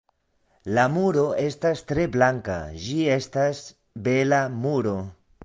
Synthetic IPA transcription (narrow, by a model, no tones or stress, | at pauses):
lamuɾo̞e̞stastɾe̞blaŋka̰d͡ʒie̞stas | be̞lamuɾo̞